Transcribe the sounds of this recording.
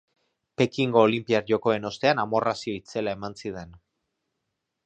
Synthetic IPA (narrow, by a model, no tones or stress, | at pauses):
pe̞kiŋɡo̞ːlimpiaɾʝo̞ko̞e̞no̞st̪e̞anamo̞rasio̞it͡se̞lae̞mansiðe̞n